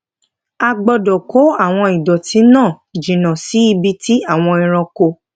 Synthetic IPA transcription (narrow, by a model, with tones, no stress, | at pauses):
a˧ɡ͡bɔ˧dɔ˨ko˨˦a˦˨w̃ɔ̃˧i˨dɔ˨tĩ˨˦nãː˦˨ | d͡ʒĩ˨nã˨si˨˦i˧bi˧tʰi˦a˦˨w̃ɔ̃˧ĩ˧ɾ̃ɔ̃˧ko˧